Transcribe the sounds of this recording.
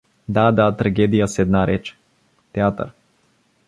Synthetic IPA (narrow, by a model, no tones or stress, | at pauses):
d̪ad̪at̪ɾaɡʲɛd̪ijasɛd̪naɾʔɛt͡ʃɛ̥ | t̪ɛat̪ə̰ɾ